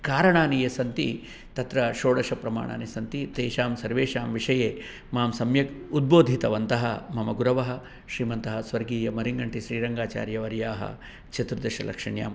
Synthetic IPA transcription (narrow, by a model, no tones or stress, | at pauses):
kaːɾɐɳaːnijɐsɐnt̪i | t̪ɐt̪ɾɐʃoːɽɐʃɐpɾɐma̰ːɳa̰ːnisɐnt̪it̪eːʃaːmsɐɾʋeːʃaːmʋiʂɐjeː | maːmsɐmjɐkud̪̚boːd̪ʱit̪ɐʋɐnt̪ɐɦɐ̰mɐmɐɡuɾɐʋɐɦɐ̆ | ʃɾiːmɐnt̪ɐɦɐsʋɐɾɡiːjɐmɐɾiŋɡɐɳʈiʃɾiːɾɐŋɡaːt͡ʃa̰ːɾjɐʋɐɾjaːɦɐ̰ | t͡ʃɐt̪ɾud̪ɐʃɐ̰lɐ̰kʂɐɳja̰ːm